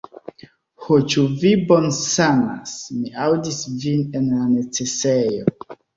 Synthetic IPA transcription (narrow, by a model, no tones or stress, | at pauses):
hot͡ʃuvibonsana̰smiawdisvine̞nlane̞t͡se̞sejo